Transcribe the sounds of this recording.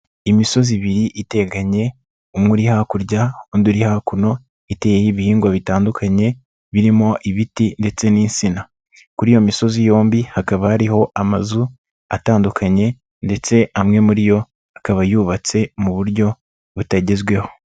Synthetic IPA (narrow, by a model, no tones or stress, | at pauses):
imiso̞ziβiɾiʔite̞ːɡaɲe̞ | umŋuɾihakuɾɟaonduɾihakuno̞ | itejejiβihiːŋɡwaβitaːndukʰaɲe̞ | βiɾimo̞ʔiβitinde̞t͡se̞niːnsina | kuɾijo̞miso̞zijo̞ːmbihakaβahaɾiho̞ʔamazu | a̰taːndukʰaɲe̞ | nde̞t͡se̞ʔamŋe̞muɾijo̞ | akaβajuβat͡se̞muβuɾɟo̞ | βutaɟe̞zɡwe̞ho̞